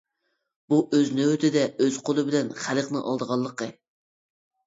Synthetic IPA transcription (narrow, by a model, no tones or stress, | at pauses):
b̥uʔøznøwt̪ʰɪd̪ɛʔøz̥qʰolˠɨbɪlɛnχæləqnɨʔɑ̰lˠd̪əʁɑlˠːəqə